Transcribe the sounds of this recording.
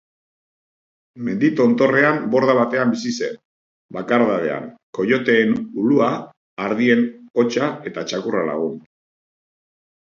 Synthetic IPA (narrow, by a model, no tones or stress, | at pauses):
me̞nd̪it̪o̞nt̪o̞re̞ambo̞ɾðaβ̞at̪e̞ambisise̞̰n | bakaɾðaðe̞̰a̰ŋko̞jo̞t̪e̞ːnuluaː | ɾðie̞no̞t͡ʃae̞t̪at͡ʃakurala̰ɣ̞un